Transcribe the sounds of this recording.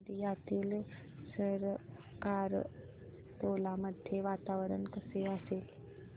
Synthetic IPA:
ɾijat̪iːl | səɾ | kaɾ | t̪olaməd̪ʱjeʋat̪aʋɾənkəseəsel

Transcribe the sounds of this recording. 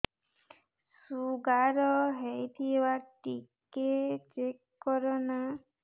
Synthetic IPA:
suɡaɾɔɦejt̪ʰibaʈiket͡ʃekː | ɔɾɔna

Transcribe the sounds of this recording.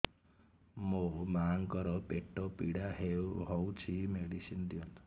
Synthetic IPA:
momaŋkɔɾɔpeʈːɔpiɽaɦeɦɔwt͡ʃʰimeɽisind̪jɔn

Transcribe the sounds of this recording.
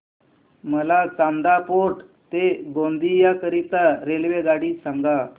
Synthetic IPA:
məlat͡samd̪apoʈ | t̪eɡõnd̪ijakəɾit̪aɾelʋeɡaɽiːsaŋɡa

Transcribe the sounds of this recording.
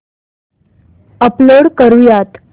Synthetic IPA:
əploɽkəɾujat̪

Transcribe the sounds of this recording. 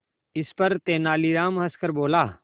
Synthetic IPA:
ɪspɐɾt̪eːnaːliɾaːmɦɐskəɾboːlaː

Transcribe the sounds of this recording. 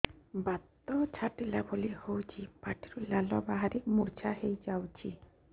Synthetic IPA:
bat̪ːɔt͡ʃʰaʈilabʱolihowt͡ʃʰipaʈʰiɾulalɔbaɦaɾikmuɾt͡ʃʰaɦejd͡ʒawt͡ʃʰi

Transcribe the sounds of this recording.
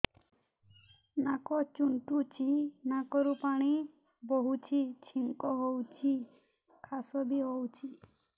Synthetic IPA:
nakɔt͡ʃuɳʈut͡ʃʰinakɔɾupaɽ̃i | boɦut͡ʃʰit͡ʃʰiŋkɔɦowt͡ʃʰi | kʰasɔbiɦowt͡ʃʰi

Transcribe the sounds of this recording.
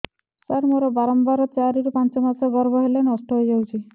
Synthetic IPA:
saɾmoɾɔbaɾɔmbaɾɔt͡ʃaɾiɾupant͡ʃɔmasɔɡɔɾbɔɦelenɔsʈɔɦojd͡ʒawt͡ʃʰi

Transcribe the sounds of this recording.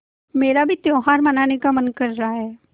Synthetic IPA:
meːɾabʱit̪jõːɦaːɾmɐnaːnekamɐnkɐɾːaaɦɛː

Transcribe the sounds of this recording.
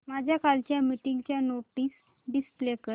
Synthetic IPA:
mad͡ʑʱjakalt͡ɕjamiʈiŋɡt͡ɕjanoʈiːs | ɖisplekə

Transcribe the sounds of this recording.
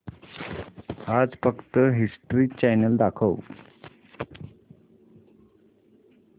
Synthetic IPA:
ad͡zfəkt̪əɦisʈɾiːt͡ɕajnəld̪akʰəw

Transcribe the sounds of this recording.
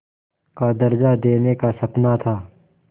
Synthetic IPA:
kad̪ɐɾd͡ʒad̪eːnekasɐpnat̪ʰaː

